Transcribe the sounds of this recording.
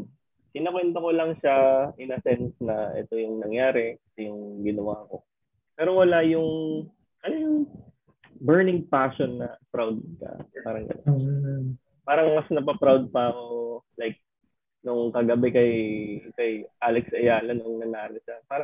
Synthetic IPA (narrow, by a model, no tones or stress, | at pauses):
kɪnakwɛnt̪ɐko̞lɐŋʃaʔɪnɐsɛnsnɐʔɛ̰t̪o̞jʊŋnɐŋjaːɾɛkɐsɛjʊŋɡɪnɐwako̞ | pɛːɾowɐlajʊŋ | kɐlojʊŋ | bɛɹnɪŋpaːʃonːɐpɾawd̪̚kɐ̰paːɾɐŋɡɐ̰no | paːɾɐŋmɐsnɐpɐpɾawd̪̚pɐɐmolajk̚ | nʊŋkɐɡɐbɛkɐjkɐjʔaːlɛksʔɐjaːlɐnʊŋnɐnaːɾɪʃapaːɾɐ